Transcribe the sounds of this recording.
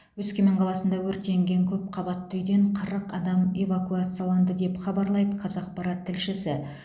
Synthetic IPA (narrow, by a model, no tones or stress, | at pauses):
wɵzkʲe̞meɴqʰɑlˠɑsənd̪ɑwɵɾt̪e̞ŋɡʲe̞ŋkʲʰɵp̚qʰɑbɑt̪ːʏjd̪e̞ɴqʰəɾəqɑd̪ɑmevakuat̪sɨjalˠɑnd̪əd̪e̞pχɑbɑɾlˠɑjd̪əqʰɑzɑq̚pɑɾɑt̪ʰːɪlʃɪsɪ